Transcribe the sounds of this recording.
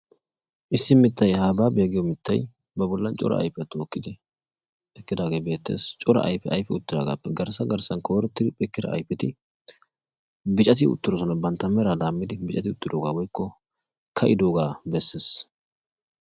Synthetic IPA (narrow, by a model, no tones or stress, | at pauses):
ʔɪsːɪmɪt̪ːɐjhaːbaːbe̞ːɡɪjɔmɪt̪ːɐ̰j | bɐbɔlːɐnt͡ʃʼɔ̰ɾɐ̰ʔɐ̰jpɛt̪ːoːkːɪd̪ɪ | ɛkːɪd̪aːɡe̞ːbe̞ːt̪ːḛːst͡ʃʼɔɾɐ̰ʔɐ̰jpɛʔɐjfɛʊt̪ːɪd̪a̰ːɡa̰ːpːɛɡɐɾsɐɡɐɾsɐnkʰoːɾɔt̪ːɪd̪ɪpʼɛkːɪd̪ɐ̰ʔɐ̰jpɪt̪ɪ | bɪt͡ʃʼɐt̪ɪʊ̰t̪ːɪɾɔsɔnɐbɐnt̪ːɐmɛɾad̪aːmːɪd̪ɪbɪt͡ʃʼɐt̪ɪʊt̪ːɪd̪oːɡaːwɔjkːɔ | kʰɐʔɪd̪o̞ːɡaːbɛsːeːs